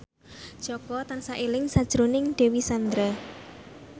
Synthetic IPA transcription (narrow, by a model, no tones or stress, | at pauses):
d̥ʒ̥ɔɡ̥ɔt̪ansaʔilɪŋsad̥ʒ̥ɾonɪŋɖ̥e̤wisand̪ɾa